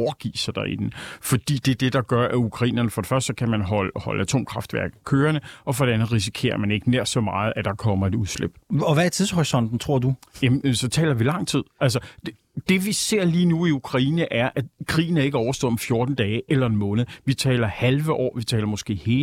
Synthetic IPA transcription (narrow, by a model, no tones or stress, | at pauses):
ɒʊɐɡ̥ḭːsɑd̥ɑ̈ḭd̥n̩fɒ̽d̥ḭːd̥ed̥e̝d̥ɑ̈ɡ̥ɶɐʔæukʰʁɑ̈ḭːnɐnəfɒ̽d̥e̝fɶɐsd̥əkʰæmænɦɒlhɒ̽ləæt͡sʰo̝̰ːmkʰʁɑ̈fd̥ʋæɐɡ̥̩kʰøːɐnəɒ̽fɒ̽ɾ̥e̝ænð̩ˠʁis̬i̥kʰe̝̰ːɐmæne̝ɡ̥əneɐ̰̥sɒ̽mɑ̈ːð̞̩ˠæd̥ɑ̈kʰɒ̽m̰ɐe̝dɾuðˠslḛb̥̚ɒʋææɐt͡sʰiðˠshɔʁisɒ̽n̰d̥n̩t͡sʰʁo̝ɐ̰d̥ujæmsɒ̽t͡sʰɛ̰ːlɐʋilɑ̈ŋ̰t͡sʰið̰ˠʔæls̬ɐ | d̥e̝ʋise̝ɐ̰liːnuiukʰʁɑ̈ḭːnəʔæɐʔækʰʁḭːn̩æe̝ɡ̥əɒʊɐsd̥ɔ̰̽ɒ̽mfjo̝ːɐd̥n̩d̥ɛːʔelɐenmɔ̽ːnð̩ˠʋit͡sʰɛ̰ːlɐhælʋəʔɒ̰ːʋit͡sʰɛ̰ːlɐmɔ̽sɡ̥e̝̰ːhe̝ː